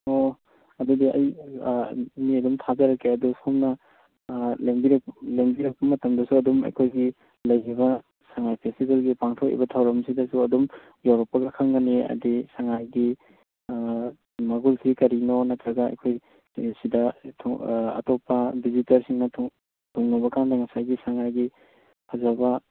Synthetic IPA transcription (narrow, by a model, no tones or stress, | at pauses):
o | ɐdudiɐ̰j | miɐdumtʰazɐɾɐkːeɐdusomnɐ | lembiɾɐkleŋbiɾɐk̚pɐmɐtɐmdɐsuɐdumɐ̰jkʰojɡi | lɐjibɐ | saŋajpʰestibelɡipaŋtʰokḭbɐtʰawɾɐmsidɐsuɐdum | jawɾɐk̚pːɐɡɐkʰɐŋɡɐniɐ̰disaŋajɡi | mɐɡulsʰikɐɾinonɐtɾɐɡɐɐ̰jkʰoj | sidɐtʰɐ̰tɔpːɐbizitɐɾsiŋnɐtʰu | tʰuŋːabɐkandɐŋɐsajɡisaŋajɡi | hʰazabɐ